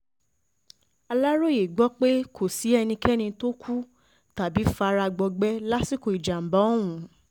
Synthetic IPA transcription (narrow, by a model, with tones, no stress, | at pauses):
a˧la˦ɾo˦˨je˨ɡ͡bɔ˦k͡pe˦kʰo˨si˨˦ɛ˧nĩ˧kʰɛ˦nĩ˧to˦kʰu˦ | ta˨bi˨˦fa˧˦˧ɾa˧ɡ͡bɔ˧ɡ͡bɛ˦la˦si˦˨ko˨i˨d͡ʒa˨m̩˨bɔ̃˨˦˨ũ˨˦